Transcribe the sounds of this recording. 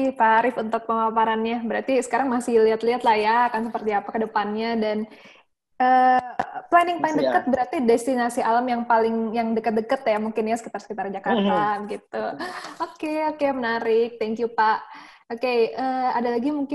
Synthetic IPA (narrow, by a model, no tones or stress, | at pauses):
faɾɪfunt̪ʊk̚pəmapaɾanɲabəɾart̪isə̥kaɾaŋmasɪhliɦat̪liɦat̪lahjaakansəpərt̪iapakədəpanɲadan | ʔəːplanɪŋpalɪŋdəkət̪̚bəɾart̪idɛst̪inasiʔaləmjaŋpalɪŋjaŋdəkət̪̚dəkət̪̚jamuŋkɪnjasə̥kit̪arsə̥kit̪ard͡ʒakart̪aɡit̪uokeokemənaɾɪk̚t̪ɛŋkjupaʔ | okeəadalaɡimuŋkɪ